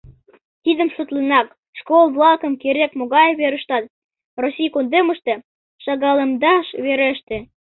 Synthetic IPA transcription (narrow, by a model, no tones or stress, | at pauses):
t̪id̪ə̆msut̪lenɑk | ʃkolˠβlɑkə̆mkeɾekmoɣɑjβeɾə̆ʃt̪ɑt̪̚ | rosʲijkond̪emə̆ʃt̪ĕ | ʃɑɣɑlemd̪ɑʃβeɾeʃt̪ĕ